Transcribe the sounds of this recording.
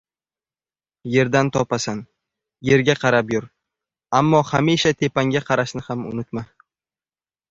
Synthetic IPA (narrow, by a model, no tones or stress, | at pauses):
je̞ɾd̪ant̪ʰɒpasan | je̞ɾɡʲaqʰɑɾapjʊɾ | amːɒhamiʃat̪ʰe̞paŋɡʲaqʰɑɾaʃnɪhamʊ̰nɪt̪ma